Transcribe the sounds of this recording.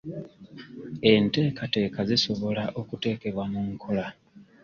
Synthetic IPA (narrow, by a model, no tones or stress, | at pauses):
e̞nte̞ːkate̞ːkaziso̞βo̞laʔo̞kute̞ːke̞βwamuŋkʰo̞la